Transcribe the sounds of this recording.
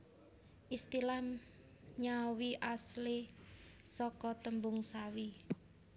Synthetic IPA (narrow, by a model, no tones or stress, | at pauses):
ʔist̪ilam | ɲawiʔasle | sɔkɔt̪əmbʊŋsawi